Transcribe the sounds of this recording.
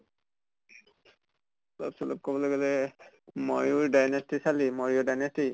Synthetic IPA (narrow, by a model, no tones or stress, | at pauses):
lɔ̰bsɔlɔp̚kɔbɔloɡɛlɛ | mojʊɹdajnestisalimɔɹiɔdajnesti